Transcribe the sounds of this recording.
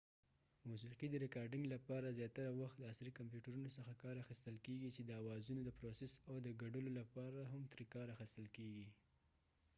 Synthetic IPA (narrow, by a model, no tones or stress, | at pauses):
mus̬iqid̪əɾɪkɑɾɖɪŋɡlapɑɾazjɑt̪aɾawaxt̪ləasɾikampjuʈaɾunosəxakɑɾaxist̪əlkeɡit͡ʃed̪əawɑzunod̪əpɾosesawd̪əɡaɖəlolapɑɾaɦamt̪ɾikɑɾaxist̪əlkeɡi